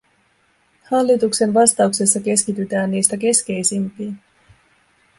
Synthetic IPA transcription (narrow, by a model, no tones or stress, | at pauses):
hɑlːit̪ukse̞nʋɑst̪ɑukse̞sːɑke̞skit̪yt̪æːnːiːst̪æk̬e̞ske̞jsimpiː